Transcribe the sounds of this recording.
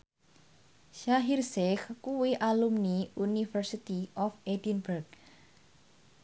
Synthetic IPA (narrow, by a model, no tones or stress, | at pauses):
ʃaɦirsɛxkuwiʔalumniunifərsit̪iʔɔfed̪inbərk